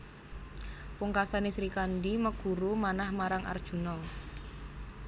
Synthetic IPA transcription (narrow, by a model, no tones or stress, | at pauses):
puŋkasanisɾikandiməɡ̥ṳɾumanahmaɾaŋʔa̰rd̥ʒ̥ṳnɔl